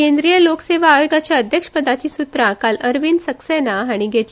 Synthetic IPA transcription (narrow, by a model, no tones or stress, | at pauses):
end̪ɾijəlokseʋ̤aːjoɡat͡ɕjaəd̪ʱjəkʂə̥pəd̪at͡ɕiːsut̪ɾakaləɾʋinsəksenaaɽ̃iɡʱet̪